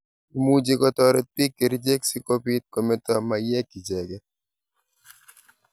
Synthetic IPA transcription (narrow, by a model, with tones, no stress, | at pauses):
mu˦d͡ʒe˦kɔ˦t̪ɔɾe˦t̪̚pi˦kːe˨ɾd͡ʒe˦ksi˦ko˦pi˦t̪̚kɔ˨me˦t̪ɔ˦ma˨jɛ˦kːi˨d͡ʒɛ˨ɡɛ˦